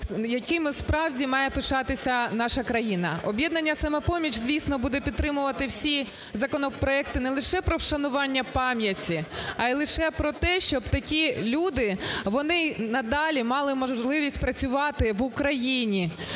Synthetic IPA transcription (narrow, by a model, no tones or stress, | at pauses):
jɐkɪmʊspɾɑwdʲimɑjɛpɪʃɑt̪ɪsʲɐnɑʃɐkɾɐjinɐ̰ʔɔbʲjɛd̪nɐnʲːɐsɐmɛpɔmʲit͡ʃzʲʋʲisnɔbud̪ɛpʲid̪̚t̪ːɾɪmʊʋɐt̪ɪwsʲi | zɐkɔnɔpɾɔɛkt̪ɪnɛlˠɪʃɛpɾɔwʃɐnʊʋɑnʲːɐpɑmʲjɐtʲiɐjlˠɪʃɛpɾɔt̪ɛʃt͡ʃɔbt̪ɐkʲilʲud̪ɪʋɔnɪnɐd̪ɑlʲimɑlˠɪmɔʒʒlˠɪʋʲisʲtʲpɾɐt͡sʲʊʋɑt̪ɪʋʊkɾɐjinʲi